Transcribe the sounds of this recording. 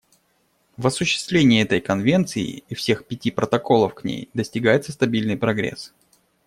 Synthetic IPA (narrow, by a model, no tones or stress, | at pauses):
vɐsʊɕːɪ̥st̪vlʲenʲɪjɛt̪əjkɐnvʲe̞nt̪sɨɪ̰ifsʲe̞xpʲɪtʲipɾət̪ɐko̞lˠəfknʲḛjd̪əsʲtʲɪɡajɪt̪səst̪ɐbʲilʲnɨjpɾɐɡɾʲḛs